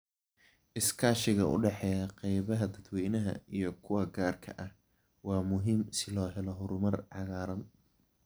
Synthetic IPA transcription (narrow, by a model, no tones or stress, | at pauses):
ʔɪskʰaːʃɪɣɐʔʊ̰ɖɛħɛjɐqɛjβɐɦɐd̪ɐd̪wɛːnɐɦɐ̰ijɞkʰʊwɐɡaːrkʰɐ̰ʔɐh | wɑːmʊɦiːmsɪlɔːɦɛlɔɦʊɾʊmɐrʕɑɣaːɾɐn